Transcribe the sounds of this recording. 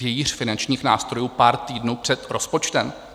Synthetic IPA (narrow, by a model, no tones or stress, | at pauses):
jɛjir̝̥fɪnant͡ʃɲiːxnaːst̪ɾo̞juːpaːɾt̪iːdnuːpr̝̥ɛt̪ɾo̞spo̞t͡ʃt̪ɛm